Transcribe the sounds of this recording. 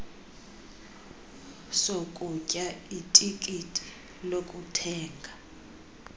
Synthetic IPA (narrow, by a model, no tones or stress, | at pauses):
sokʼucʼaitʼikʼitʼi̥ | lokʼutʰɛːŋɡʱa